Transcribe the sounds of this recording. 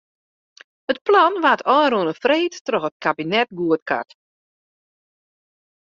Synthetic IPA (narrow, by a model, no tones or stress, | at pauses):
ət̚plɔnʋatʰɔːɾuənəfreːtːrɔxət̚kabinɛt̚ɡuətkʰa̰t